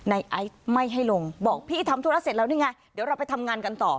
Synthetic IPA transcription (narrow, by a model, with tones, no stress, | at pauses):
na˧jʔa˦˥j̚ma˥˩jɦa˥˩jlo˧ŋbɔː˨˩k̚pʰiː˥˩t̪ʰa˧mt̪u˧a˦˥se˨˩t̚la˧˥wniː˥˩ŋaː˧˩jdi˨˩˦ɾa˧wpa˧jt̪ʰa˧mŋaː˧nka˧nt̪ɔː˨˩